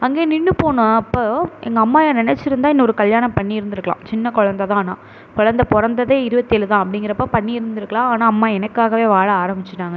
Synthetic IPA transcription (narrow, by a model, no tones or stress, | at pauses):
ɐŋɡeːnɪɳːɯpoːnʊ̃ɐpːoːɛ̰ŋɡɐːmːaːjãnɪnɛt͡ʃːɪɾɯnd̪aːɪɛnːɐɔɾɯkɐljaːnɐmpɐɳːiɪɾɯnd̪ɪɾɯkːɐɭã̰ːt͡ʃɪnːɐkɔɻɐnd̪ɐt̪ãːnaː | kɔɻɐnd̪ɐpɔɾɐnd̪ɐðeːɪɾɯbɐt̪ːeːlɯt̪ãːɐpːɐɽɪŋɡɪɾɐpːoːpɐɳːiɪɾɯnd̪ɪɾɯkːɐɭãːaːnaːɐmːaːɛnɐkːaːɣɐʋeːʋaːɻɐaːɾɐmbɪt͡ʃːɪʈːaːŋɡɐ